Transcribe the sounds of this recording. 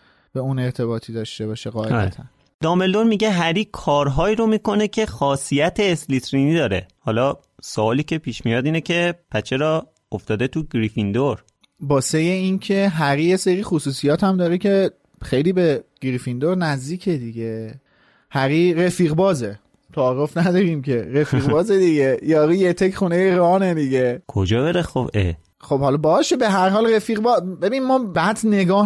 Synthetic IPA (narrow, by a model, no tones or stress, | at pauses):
b̥e̞une̞ɾt̪ʰe̞βɒːt̪ʰiːd̪ɒːʃt̪ebɒːʃeɣɒːeɒːɾæḛt̪ʰæn | d̪̥ɒːmeld̪oɾmiɟeɦæɾiːkʰɒːɾɦɒːiːɾo̞miːko̞ne̞cʰe̞xɒːsijæt̪ʰeːslit̪ɾiːniːd̪ɒːɾe̞hɒːlɒː | soɒːliːcʰe̞pʰiːʃmijɒːd̪iːnecʰe̞pʰæt͡ʃʰːeɾɒː | oft̪ɒːd̪e̞t̪ʰuɡɾifind̪oɾ | bɒːsejeinkʰeɦæɣijeseɾiːxosuːsijɒːt̪ʰæmd̪ɒːɾecʰe | xejliːbe̞ɡ̥ɾifind̪oɾnæzd̪iːkʰe̞d̪iɟe | hæɣiɾefiːɣbɒːze | t̪ʰæːɾofnæd̪ɒːɾiːmcʰe̞ɾefiɣbɒːzed̪iɟejɒːɾuːjet̪ʰecχunejeɾɒːned̪iɟekʰod͡ʒɒːbeɾexobe | xob̥hɒlɒbɒːʃe̞be̞ɦæɾɦɒːlrefiːɣbɒːzbe̞biːnmɒːbæd̪ne̞ɡɒːh